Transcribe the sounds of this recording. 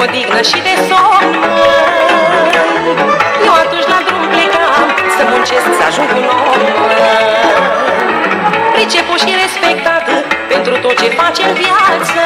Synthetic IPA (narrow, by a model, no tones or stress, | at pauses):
od̪iɡnəʃid̪e̞sonuə | jewat̪unt͡ʃlad̪ɾumpleʔamsəmunt͡ʃesksəa̰ʒuŋkunomuəə | pɾit͡ʃepuʃiɾespek̚t̪at̪əpent̪ɾut̪ot̪̚t͡ʃefat͡ʃemvjat̪sə